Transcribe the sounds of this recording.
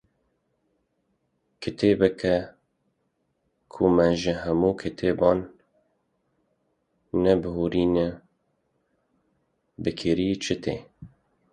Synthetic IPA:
kʰɨt̪ʰeːbɨkʰɛ | kʰumɛʒɪɦɛmuːkʰɪt̪ʰeːbɑːn | ɛbɨhuːɾiːnɨ | bɨkʰɪɾiːt͡ʃʰɪt̪ʰḛː

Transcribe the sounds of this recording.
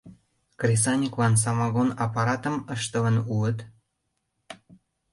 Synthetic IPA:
krʲis̬ɑnʲiklɑns̬ɑmɑɣonɑpɑɾɑt̪ə̆məʃt̪əvə̆nuət̪

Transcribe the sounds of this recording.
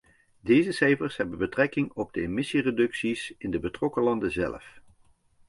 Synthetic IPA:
dejzəsɛjfəɹsɦɛbənbətrɛkɪŋɔb̚dəemɪsiredɵksisɪndəbətrɔkəlɑndəzɛ̰lf

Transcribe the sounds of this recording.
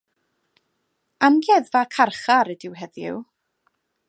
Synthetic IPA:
amɡjɛðvakʰarχaɾɛdɪwɦɛðjɪ̰w

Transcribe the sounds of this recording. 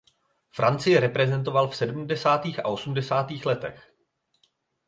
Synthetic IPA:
fɾʔant͡sɪjɛɾɛpɾɛzɛnt̪o̞valfsɛdm̩dɛsaːt̪iːxa̰ʔo̞sumdɛsaːt̪iːxlɛt̪ɛ̰x

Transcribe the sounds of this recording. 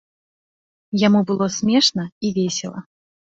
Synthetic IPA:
jamubɨlˠɔsʲmʲɛʂnɐivʲesʲɛlˠɐ̰

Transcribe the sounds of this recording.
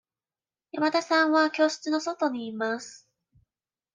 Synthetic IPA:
jamat̪asãɰ̃βakʲo̞ːɕɨ̥t͡sɨno̞so̞t̪o̞ɲ̟iːmasɨ̥

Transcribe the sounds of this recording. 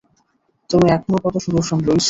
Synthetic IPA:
t̪omiɛk̚ʰmokɔt̪oʃuɾuɾʃɔmɾojt͡ɕʰ

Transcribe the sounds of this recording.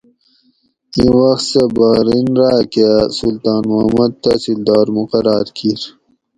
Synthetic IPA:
ĩwɐxt̪sebaːɾinɾaːkesult̪ɑːnmumɐd̪̚t̪asild̪ɑːɾmuqɐɾɑːɾkʰiɾ

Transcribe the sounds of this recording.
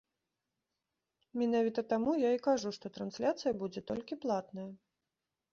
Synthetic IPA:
mʲinavʲit̪ɐt̪amujaikaʐuʂt̪ɔt̪ɾansʲlʲat̪sɨjɐbud͡zʲɛt̪ɔlʲkʲiplˠat̪nɐjɐ

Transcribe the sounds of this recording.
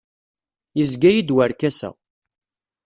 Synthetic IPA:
jəzɡæjid̪wəɾkæsæ̰

